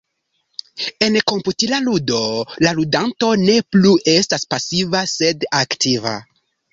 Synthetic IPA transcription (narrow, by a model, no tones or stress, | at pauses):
e̞nko̞mputilaludo̞laludanto̞ne̞pluʔe̞staspasivase̞daktʰiva̰